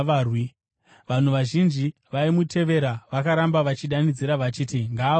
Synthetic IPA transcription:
arwi | ʋan̤uʋaʒind͡ʒi | ʋaimutʰe̞ʋe̞ɾaʋakaɾambaʋat͡ʃiɗanid͡ziɾaʋat͡ʃiːtiŋɡaː

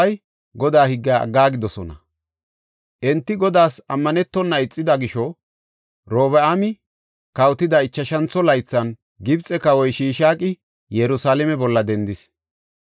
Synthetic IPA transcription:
ɐj | ɡɔd̪aːhɪɡːaɐ̰ɡːaːɡɪd̪ɔsɔnɐ̰ | ʔɛnt̪ːɪɡɔd̪aːsɐmːɐnɛt̪ːɔnːɐɪt͡sʼːɪd̪ɐɡɪʃɔ | ɾoːβɛamɪ | kɐwt̪ɪd̪ɐɪt͡ʃːɐʃɐnt͡sːɔlɐjt͡sːɐn | ɡɪbt͡sʼːɛkɐwɔjʃiːʃaːkʼɪ | jɛɾʊsaːlɛmɛbɔlːɐd̪ɛnd̪ɪs

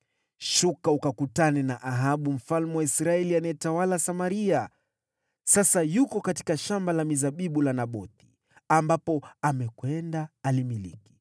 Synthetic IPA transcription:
ʃukaukakutanɛnaʔaɦaɓum̩falmɛwaisɾaɛlianajɛtawalasamaɾia | sasajukɔkati̥kaʃambalamizaɓiɓulanaɓɔθi̥ | ambapɔamɛkwɛndaːlimilḭki̥

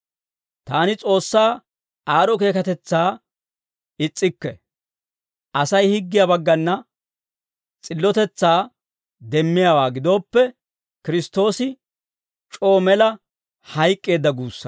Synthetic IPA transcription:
t̪aːnɪt͡sʼo̞ːsːaː | aːɾɔke̞ːkɐt̪ɛt͡sːaː | ɪt͡sʼːɪkːɛ | ʔɐsɐjhɪɡːɪjɐbɐɡːɐnːɐ | t͡sʼɪlːɔt̪ɛt͡sːaː | d̪ɛmːɪjawaːɡɪd̪o̞ːpːɛ | kɪɾɪst̪o̞ːsɪ | t͡ʃʼo̞ːmɛlɐ | hɐjkʼːe̞ːd̪ːɐɡuːsːɐ

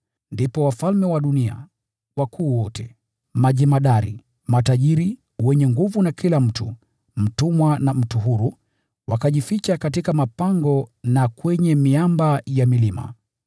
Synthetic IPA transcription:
ndipɔwafalmɛwaɗunia̰ | wakʰuːwɔtʰɛ | maʄimaɗaɾḭ | mataʄiɾi | wɛɲɛŋɡuvunakilam̩tu | m̩tumwanam̩tuɦuɾu | wakaʄifit͡ʃakatikamapaŋɡɔnakwɛɲɛmiambajamilima̰

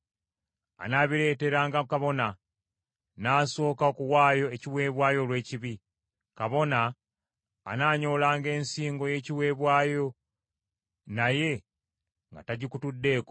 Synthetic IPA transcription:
a̰naːβiɾe̞ːte̞ɾaːŋɡakaβo̞na | naːso̞ːkaokuwaːjo̞eciwe̞ːβwaːjo̞lwe̞ːciβi | kaβo̞na̰ː | naːɲo̞ːlaːŋɡe̞ːnsiːŋɡo̞je̞ːciwe̞ːβwaːjo̞ | naje̞ | ŋɡa̰taɟikutudːe̞ːk

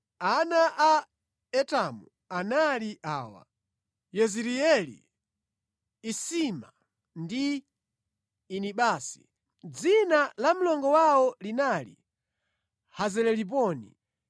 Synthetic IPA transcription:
anaʔa | ɛtamu | analiʔaːwa̰ | jɛziɾiɛlḭ | sima | ndi | niɓaːsi̥̰ | d͡zinalam̩lɔŋɡɔwawɔlinalḭ | hazɛlɛlip̬ɔːni

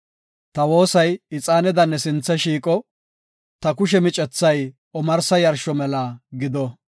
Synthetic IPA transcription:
t̪ɐwo̞ːsɐjɪt͡sʼaːnɛd̪ɐnːɛsɪnt͡sːɐʃiːkʼɔ | t̪ɐkʊʃ̬ɛmɪt͡ʃʼɛt͡sːɐj | ɔmɐɾsɐjɐɾʃɔmɛlaɡɪd̪ɔ

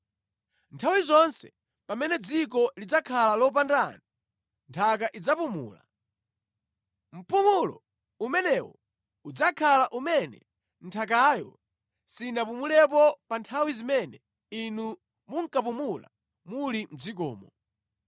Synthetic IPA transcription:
ntʰawizɔnsɛ | pamɛnɛd͡zikɔlid͡zakʰalalɔp̬andana | ntʰakaʔid͡zapumṵːla̰ | m̩pumulɔ | umɛnɛwɔ | ud͡zakʰalaʔumɛnɛ̰ | n̩tʰak̬aːjɔ̰ | sinap̬umulɛp̬ɔpantʰawizimɛnɛ | inu | muŋ̩kapumula̰ | mulim̩d͡zik̬ɔ̰ːmɔ

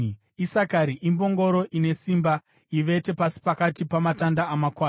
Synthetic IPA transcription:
isakaɾiʔimbo̞ŋɡo̞ɾo̞ʔine̞simba | iʋe̞te̞pasi̥pakatipamatandaːmakwaːn

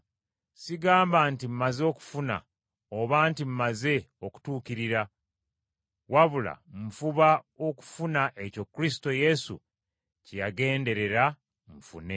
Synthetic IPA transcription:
siɡaːmbaːntim̩mazo̞ku̥funa̰ | o̞βaːntim̩maze̞o̞ku̥tuːkiɾiɾa | waβula̰m̩fuβa | o̞ku̥funaʔe̞co̞kːuɾisi̥to̞je̞sṵ | cejaɡe̞ːnde̞ɾe̞ɾa | ɱ̩fṵne̞

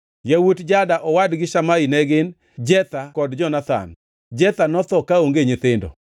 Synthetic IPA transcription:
jawutd͡ʒadaʔɔwadɡɪʃamainɛɡɪn | d͡ʒɛt̪akɔdd͡ʒɔnat̪a̰n | d͡ʒɛt̪anɔt̪ɔkaoŋɡeɲɪt̪ɪndɔ̰

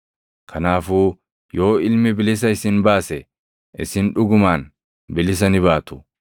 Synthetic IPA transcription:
kʰɐnaːfuː | jo̞ːɪlmɪbɪlɪs̬ɐɪsɪnbaːsɛ | ʔɪ̰sɪnᶑʊɡʊmaːn | bɪlɪs̬ɐnɪβaːt̪ʊ̥

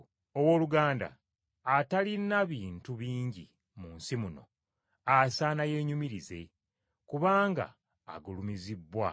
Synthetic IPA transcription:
owo̞ːluɡaːnda̰ː | talinːaβiːntuβiːɲɟi | munsimuno̞̰ | asaːnaje̞ːɲumiɾize̞̰ | kuβaːŋɡa̰ː | ɡulumizibːwa

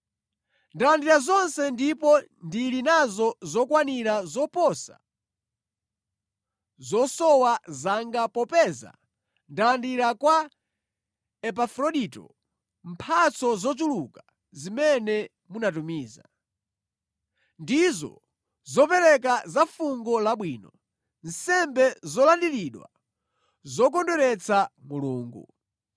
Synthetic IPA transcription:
ndalandiɾazɔnsɛndipɔ | ndilinazɔzɔkwaniɾazɔpɔsa̰ | zɔsɔwazaŋɡapɔpɛza̰ | ndalandiɾakwa | ɛp̬afɾɔɗitɔ̰ | m̩pʰat͡sɔzɔt͡ʃuluka | zimɛnɛ | munat̬umiːza̰ | ndizɔ̰ | zɔpɛɾɛk̬azafuŋɡɔlaɓwiːnɔ | n̩sɛmbɛzɔlandiliɗwa̰ | zɔk̬ɔndɔɾɛt͡samuluːŋɡṵ

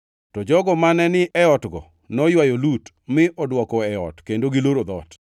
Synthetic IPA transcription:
tɔd͡ʒɔɡɔmanɛnɪʔɛɔtɡɔ̰ | nɔjwajolut | mɪʔɔdwɔkɔɛɔ̰tkendoɡɪloɾod̪ɔ̰t

